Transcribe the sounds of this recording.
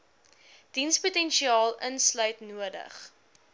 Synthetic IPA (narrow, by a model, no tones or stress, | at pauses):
d̥insputɛnʃiɑːlˠənslœɥtnuədə̰χ